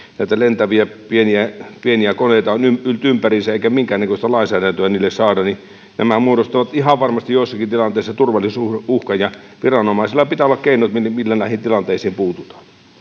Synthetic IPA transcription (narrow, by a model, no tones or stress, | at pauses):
næˑit̪ælent̪æʋiæpieniæpieniækoneˑit̪ɑonymylt̪ympærisæeˑikæmiŋkæːnekøst̪ɑlɑˑinsæːdænt̪øæniːlːessɑːdɑni | næmæmuoɾost̪ɑʋɑt̪ihɑʋʋɑrmɑst̪ijoˑisːɑkint̪ilɑnt̪ˑeˑisːɑt̪urʋɑlːˑissuuhkɑjjɑʋirɑnomɑˑisilːɑpit̪æolːˑɑkkeˑinot̪mimilːælæˑihint̪ilɑnt̪eˑisiːmpuːt̪ut̪ɑ̥